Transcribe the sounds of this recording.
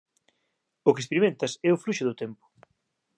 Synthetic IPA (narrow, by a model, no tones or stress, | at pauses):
ʊkespeɾimẽnt̪ɐsɛʊfluʃʊðʊt̪ɛmpʊ̥